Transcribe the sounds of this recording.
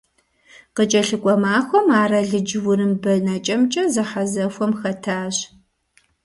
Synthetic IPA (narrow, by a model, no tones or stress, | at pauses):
qət͡ʃʼɐɬɨkʷʼɔmaːxʷɔmaːɾɐɮɨd͡ʒwʊɾɨmbɐnɐt͡ʃʼɐmt͡ʃʼɐzɨħazɐxʷɔmxɐtʰaːɕ